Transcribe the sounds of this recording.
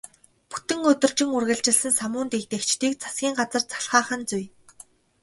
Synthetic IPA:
pu̥t̪ɘ̆ŋɵt̪ɵ̆rt͡ɕɪ̆ŋurɣɘ̆ɮt͡ɕɪ̆ɮsɘ̆nsamʊːnt̪ekt̪ekt͡ɕt̪iːk̚t͡sʰḁsɡʲiːŋɢat͡sə̆rt͡sʰḁɬχaːχə̆nt͡suj

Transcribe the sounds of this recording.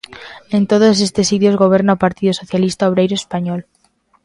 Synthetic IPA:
ẽnt̪oð̞os̬est̪esit̪jozɣoβ̞eɾnaopaɾt̪iðosoθjalist̪aoβ̞ɾejɾoespaɲol

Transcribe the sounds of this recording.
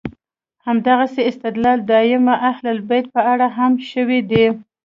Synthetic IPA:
hamd̪aɣaseɪst̪ɪd̪lɑld̪ɑɪmaʔahlalbajt̪̚pəaɽaɦamʃəwid̪i

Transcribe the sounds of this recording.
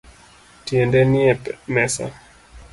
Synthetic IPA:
tiɛndɛniɛpmɛsa̰

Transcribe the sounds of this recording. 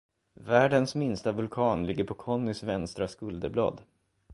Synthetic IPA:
væːɖənsmɪnst̪avɵlkʰɑːnlɪɡːəɾpʰɔkʰɔnːʏsvɛnst̪ɾaskɵld̪əblɑ̰ːd̪

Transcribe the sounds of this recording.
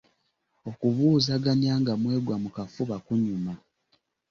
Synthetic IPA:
o̞kuβuːzaɡaɲjaːŋɡamwe̞ːɡwamukafuβakuɲuma

